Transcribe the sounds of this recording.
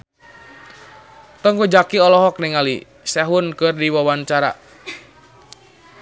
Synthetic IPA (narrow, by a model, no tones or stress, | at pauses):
t̪ɔŋkud͡ʒakiɔlɔɦɔk̚nɛŋalḭ | sɛɦʊnkɨrdiwawant͡ʃaɾa̰